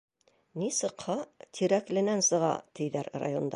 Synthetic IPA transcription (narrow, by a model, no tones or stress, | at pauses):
nisɤ̆qhɑt̪ʰiɾæklɘ̆nænsɤ̆ʁɑ̰t̪ʰɘ̆jðæɾra̰jo̞nd̪ɑ̰